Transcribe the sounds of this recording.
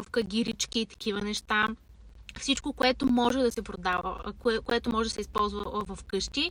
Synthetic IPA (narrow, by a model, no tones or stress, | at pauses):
fkɐɡ̟ʲiɾit͡ʃkʲiːt̪ɐ̥kivənɛʃt̪a | fsit͡ʃkokoɛt̪omɔʒɛd̪ɐsɛpɾod̪avə̰kkoɛt̪omɔʒɛd̪ɐsɛispɔlˠzvəvɐfkɤʃt̪i